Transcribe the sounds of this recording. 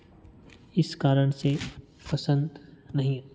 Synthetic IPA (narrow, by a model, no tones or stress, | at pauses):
ɪskaːɾəɽ̃se | pɐsə̃nd̪nɐɦĩ